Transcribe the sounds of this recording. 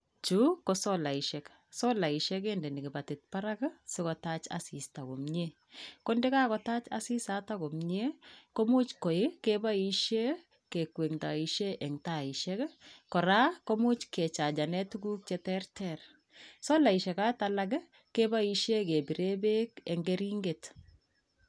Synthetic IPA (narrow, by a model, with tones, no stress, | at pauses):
t͡ʃu˦kːosɔ˦la˨i˨ʃɛk | sɔ˦la˨i˨ʃɛ˦k̬e˦nde˨nɪ˨ɡɪ˨ba˨tɪ˨t̚pa˦ɾa˦ɡsɪ˦kɔ˨ta˦t͡ʃa̰si˨sta˨ko˨mɲe˦ | kɔ˦ndɪ˦ka˦kɔ˨ta˦t͡ʃa̰˨si˦sa˦tako˨mɲe˦ko˦mu˦t͡ʃkɔ˨ɪ˦ke˦ba˦iʃe˦ | ke˨kwe˨ŋta˨i˨ʃe˦ʔɛ˨ŋta˨i˨ʃɛ˦kkɔ˨ɾa˦ko˦mu˦t͡ʃke˨t͡ʃa˨d͡ʒa˨nɛ˦tuɡu˦k̚t͡ʃɛ˦tɛrtɛr | sɔ˦la˨i˨ʃɛ˨ka˦talaɡɪ˦ | ke˦ba˦i˨ʃe˦ke˨bi˨ɾe˦be˦kɛ˨ŋɡeɾi˦ŋɡe˨t